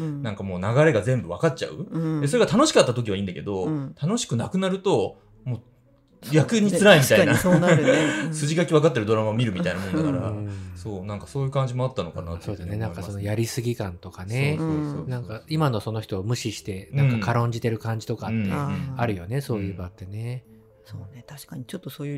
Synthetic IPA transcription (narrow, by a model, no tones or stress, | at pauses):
nãŋkamoːnaɡaɾe̞ɡazẽ̞mbɯ̟βakat̚t͡ɕa̰ɯ̟e̞so̞ɾe̞ɡat̪ano̞ɕi̥kat̪ːat̪o̞kʲiβaĩːnd̪ake̞d̪o̞t̪ʰano̞ɕi̥kɯ̟nakɯ̟naɾɯ̟t̪o̞ | moː | jakɯ̟ɲ̟iɨɾaimʲit̪aiina | sɨʑiɡakʲiβakat̪ːeɾɯd̪o̞ɾamamʲiɾɯ̟mit̪ainamonakaɾa̰so̞ːnãŋkaso̞ːjɯ̟kãɲ̟d͡ʑimo̞at̪ːano̞̰ka̰na̰so̞ːd̪easne̞nãkaso̞no̞jaɾʲisɨɡʲikãnt̪o̞kane̞nãŋkaimano̞so̞no̞çi̥t̪o̞ːmɯ̟ɕiɕi̥t̪e̞nãŋkakaɾõ̞ɲ̟d͡ʑit̪e̞ɾɯ̟kãɲ̟d͡ʑi̥t̪o̞kat̪ːeaɾɯ̟jo̞ne̞so̞ːjɯ̟ːbat̪ːe̞ne̞ | soːnet̪aɕkaɲit͡ɕot̪ːosoːjɯ